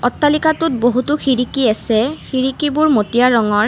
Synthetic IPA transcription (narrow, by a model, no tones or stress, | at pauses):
ɔtːalikatʊt̚boɦutuxʰiɹikiasɛxiɹikibʊɹmotijaɹɔŋɔɹ